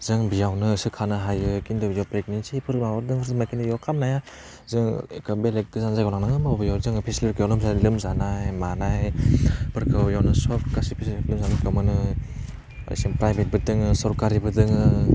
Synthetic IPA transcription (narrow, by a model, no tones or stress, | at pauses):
z̥ɯŋbijawnɯsɯkʰanɯɦajɯkindɯbijɔpɾek̚ninsipʰɯɾmawɔɾdɯŋɯɾzɯmakinɯjɔkʰamnaja | zɯŋkabelek̚ɡɯzanzajɡawnaŋnaŋɯmabijawɾdɯŋpʰeslipkʰɯjawlɯmzalɯmzanajmanajpʰɯɾkʰɯjawnɯsɔpkasipʰislɯmzanakʰɯwmɯnɯ̰ | siŋpɾajbet̚bɯdɯŋɯsɔɾkaɾibɯdɯŋɯ